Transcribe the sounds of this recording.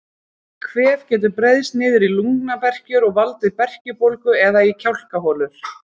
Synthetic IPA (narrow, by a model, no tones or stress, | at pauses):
kʰvɛːv̥cɛːt̪̬ʏɾpɾejðst̪nɪːðɪɾiluŋknapɛr̥cʏɾɔɣvalt̪ɪipɛr̥cʏpowlkʏɛðaicʰawl̥kaɦɔːlʏɾ̥